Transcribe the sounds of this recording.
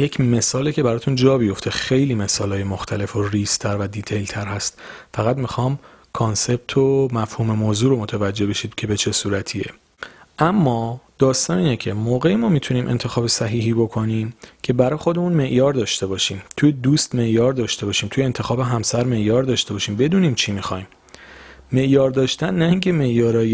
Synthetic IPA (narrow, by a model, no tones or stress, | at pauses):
je̞cʰme̞sɒːlecʰe̞bæɾɒːt̪ʰund͡ʒɒːbijo̞ft̪ʰe̞xe̞jliːme̞sɒːlɒːjemoxt̪ʰæle̞foriːst̪ʰæɾvæd̪iːt̪ʰejlt̪ʰæɾɦæst̪fæɣæd̪mixɒːm | kʰonse̞b̥̚t̪ʰomæfhuːme̞moːzuːɾomot̪ʰævæd͡ʒːebeʃiːd̪cʰe̞bet͡ʃʰe̞suːɾæt̪ʰiḛ | ʔæmːɒːd̪̥ɒːst̪ɒːniːnecʰe̞moːɣe̞jemɒːmit̪ʰuniːmʔe̞̰nt̪ʰe̞xɒːbe̞sæɦiːɦiːbo̞kʰo̞niːmcʰe̞bæɾɒːjexo̞d̪e̞muːnme̞ʔjɒːɾd̪ɒːʃt̪e̞bɒːʃiːmt̪ʰujed̪uːst̪me̞ʔjɒːɾd̪ɒːʃt̪e̞bɒːʃiːmt̪ʰuje̞ːnt̪ʰe̞xɒːbe̞ɦæmsæɾme̞ʔjɒːɾd̪ɒːʃt̪e̞bɒːʃiːmbe̞d̪uːniːmt͡ʃʰimixɒ̰ːjmː | e̞ʔjɒːɾd̪ɒːʃt̪ænːæiŋcʰe̞me̞ʔjɒːɾɒːje